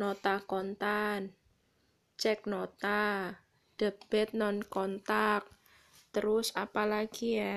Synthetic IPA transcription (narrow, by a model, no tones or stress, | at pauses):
not̪akɔnt̪an | t͡ʃɛk̚not̪a | d̪̥ə̤b̥ɛt̪̚nɔnkɔnt̪ak̚ | t̪əɾʊsapalaɡ̥ia